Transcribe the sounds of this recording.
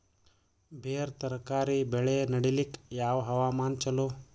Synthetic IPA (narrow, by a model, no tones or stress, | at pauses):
bʱeːɾt̪ɐɾkaːɾibeɭenɐɽilikjaːʋɦɐʋaːmaːnt͡ʃɐloː